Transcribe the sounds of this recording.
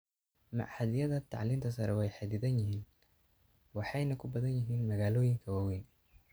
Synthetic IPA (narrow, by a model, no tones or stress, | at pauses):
mɑ̰ʕħɐðɪjɐðɐt̪ʰɑ̰ʕliːmt̪ʰɐsɐɾɛwɛjħɑd̪iːðɐnjɪɦiːn | wɑħɑjnɐkʰʊbɐðɐnjɪɦiːnmɐɣaːlɔːjɪŋkʰɐwaːwɛːn